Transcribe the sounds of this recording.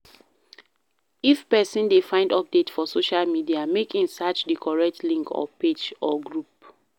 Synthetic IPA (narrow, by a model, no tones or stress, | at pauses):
ifpɛsĩndefãɪ̃ndɔp̚detfɔsoʃalmidiamekʰĩnsat͡ʃdikʰɔɹɛk̚tlĩŋkɔ̰ped͡ʒɔɡɹup̚